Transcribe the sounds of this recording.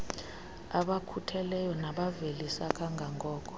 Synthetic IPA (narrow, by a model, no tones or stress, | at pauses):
aɓakʰutʰɛlɛjɔnaɓavelisakʰʼaŋɡʱaŋɡʱɔːk̬ʰʼɔ̥